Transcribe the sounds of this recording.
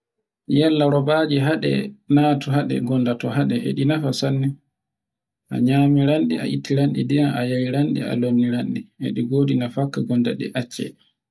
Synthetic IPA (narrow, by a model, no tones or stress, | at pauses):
jɛlːaɾɔbad͡ʒiɦaɗɛ̰naːtuɦaɗɛ̰ɡɔndatɔɦaɗɛʔḛɗinafasanːi | ʔa̰ɲaːmiɾanɗḭa̰ʔitːiɾanɗḭdijanajaɾiɾanɗḭa̰lomːiɾanɗiḛɗiɡoːdinafakːaɡɔnda̰ɗɛ̰ʔat͡ʃːɛ̰